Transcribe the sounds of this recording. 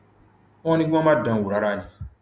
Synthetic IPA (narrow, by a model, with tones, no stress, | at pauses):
ɔ̃˦nĩ˦ɡã˦ma˦dã˨wu˨ɾa˦ɾa˦˨li˨